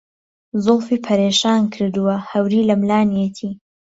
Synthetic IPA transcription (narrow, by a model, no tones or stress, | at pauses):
zʊlfiːpʰɐɾeːʃaːnkʰɨɾd̪uwɐhɐwɾiːlɐmlaːnjet̪ʰiː